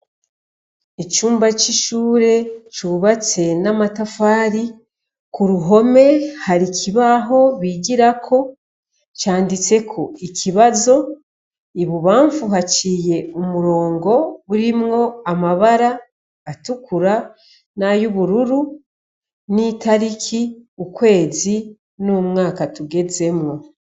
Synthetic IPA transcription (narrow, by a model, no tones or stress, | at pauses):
icuːmbaciʃuːɾe̞t͡ʃuβat͡se̞namatafaːɾi | kuɾuɦo̞me̞haɾicʰiβaɦo̞βiːɟiɾakʰo̞ | caːndit͡se̞kʰo̞icʰiβazo̞ | iβuβaːɱfuɦaciːje̞umuɾo̞ːŋɡo̞βuɾimŋo̞amaβaɾaː | tukuɾa | najuβuɾuɾu | nitaɾikʰiukwe̞ːzi | numŋaːkatuɡe̞ze̞mŋo̞